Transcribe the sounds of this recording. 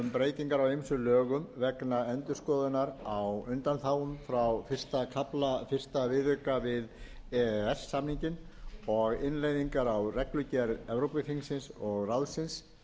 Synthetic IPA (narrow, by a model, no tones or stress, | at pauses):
ʏmpɾeːjt̪iŋkaɾawejmsʏlœːɣʏmvɛknaɛnt̪ʏ̥skɔːðʏnaɾawʏnt̪anθaːwʏmfɾawfɪr̥st̪akʰaplafɪr̥st̪avɪðʏkavɪð | ɛsːamniɲcɪnɔɣɪnlejðiŋkaɾawrɛklʏcɛɾɛvɾowpɪfiŋsɪnsɔɣrawðsɪns